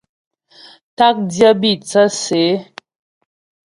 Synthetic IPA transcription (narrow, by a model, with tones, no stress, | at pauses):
ta˦k̚djə˦bi˦˨t͡sə˦se˨˦